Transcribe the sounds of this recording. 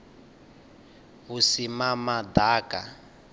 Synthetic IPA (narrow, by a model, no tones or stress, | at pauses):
βusimamad̪aːkʼa